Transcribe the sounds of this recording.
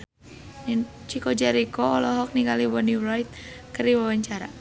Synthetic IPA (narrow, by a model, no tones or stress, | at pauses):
nin | t͡ʃikɔd͡ʒɛɾikɔːlɔɦɔk̚niŋɡalibɔniɾajt̪̚kəriwawaɲt͡ʃaɾa̰